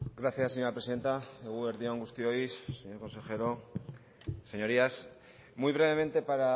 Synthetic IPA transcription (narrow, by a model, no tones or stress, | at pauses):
ɡɾaθjasːeɲoɾapɾeiðe̞nt̪aeɣuβeɾðioaŋɡust̪iojsːeɲo̞ɾko̞nse̞xe̞ɾo | se̞ɲo̞ɾias | mujβɾe̞βe̞mẽ̞nt̪e̞paɾa